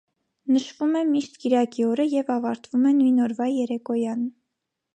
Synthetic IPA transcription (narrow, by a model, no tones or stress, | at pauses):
nəʃvumɛmiʃt̪kiɾɑkiɔɾəjɛvɑvɑɾt̪vumɛnujnɔɾvɑjɛɾɛkɔjɑn